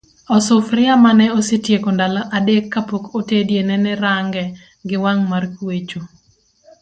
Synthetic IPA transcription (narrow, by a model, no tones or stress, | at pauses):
ɔsʊfɾɪamanɛosɪtjekondalaʔadekːapokotedjenɛnɛɾaŋɡɛ | ɡɪwaŋmarkwet͡ʃo